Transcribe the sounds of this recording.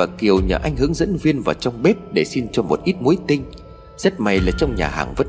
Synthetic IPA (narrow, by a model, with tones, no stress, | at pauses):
vaː˨˩ki˨˩əwɲə̰ː˧˩ʔa˧jŋ̟ɦɨ˨˦əŋzə̰˧˥nvi˧ənvaː˨˩wt͡ɕɔ˧wŋ͡mɓɛ˦˥p̚ɗe˧˩si˧nt͡ɕɔ˧mo˨˩t̚ʔi˦˥t̚mu˨˦jt̪ï˧ŋ̟ | sɛ˦˥t̚ma˨˩jlaː˨˩t͡ɕɔ˧wŋ͡mɲa̰ː˨˩ɦa̰ː˧˨˩ŋvə̰˦˥